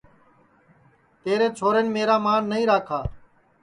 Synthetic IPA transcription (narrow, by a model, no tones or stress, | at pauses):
t̪eːɾeːt͡ʃʰoːɾenmeːɾaːmaːnːəɦĩːɾaːkʰaː